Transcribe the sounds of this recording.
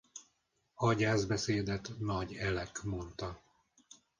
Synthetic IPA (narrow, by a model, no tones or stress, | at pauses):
ɒɟaːzbɛseːd̪ɛt̪nɒɟɛlɛkmo̞nt̪ɒ